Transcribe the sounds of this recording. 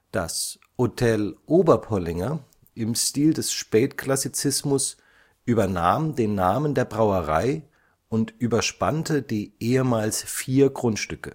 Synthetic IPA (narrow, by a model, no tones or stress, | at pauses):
d̥a̰s | hotʰɛlʔoːbɐpʰɔlɪŋɐ | ʔɪmʃtiːldɛsʃpɛːtkʰl̥asit͡sɪsmʊs | ʔyːbɐna̰ːmdeːnːaːməndeːɐbʁaʊəʁa̰ɪ | ʔʊntʔyːbɐʃpa̰ntəd̥iːʔeːəmaːlsfiːɐɡʁʊntʃtʏkə̰